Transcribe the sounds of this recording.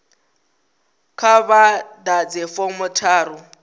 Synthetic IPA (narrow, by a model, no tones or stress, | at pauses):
kʰabadad͡zɪfɔmʊtʰaːɾʊ